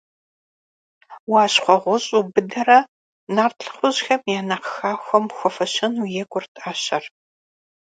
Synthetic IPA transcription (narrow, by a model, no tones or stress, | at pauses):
waːɕχʷɔʁʷʊɕʼubɨdɐrɐ | naːrtɬχʷʊʑxɐmjaːnɐqxaːxʷɔmxʷɔfɐɕɐnujɛkʷʼʊrtʰʼaːɕɐr